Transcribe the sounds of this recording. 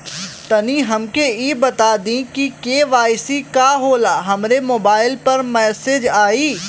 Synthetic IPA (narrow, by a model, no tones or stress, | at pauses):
t̪ɐniɦɐmkeiːbɐt̪aːd̪ĩkikeːʋaːɪsikaɦoːlaːɦɐmɾemoːbaːɪlpɐɾmɛːsed͡ʒaːiː